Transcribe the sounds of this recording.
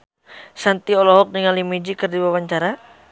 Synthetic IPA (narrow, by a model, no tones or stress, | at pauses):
sant̪iɔlɔɦɔk̚dəŋalimid͡ʒikərdiwawaɲt͡ʃaɾa